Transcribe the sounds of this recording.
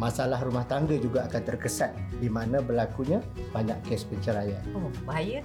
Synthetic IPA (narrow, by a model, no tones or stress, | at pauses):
mãsalahrumaht̪aŋɡad͡ʒuɡaːkant̪ərkəsat̪̚dimãnãbərlakuɲã | b̥aɲaʔkɛspəɲt͡ʃəɾajaobaajə